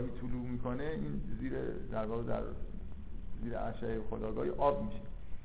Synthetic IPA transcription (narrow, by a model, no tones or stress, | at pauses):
ɦiːt̪ʰuluːmiːkʰoneiːnziːɾḛd̪æɾvɒːɣed̪æ̰ɾ | ziːɾeʔæʃæexod̪ɒːɡɒ̰ːhiʔɒːb̚miʃe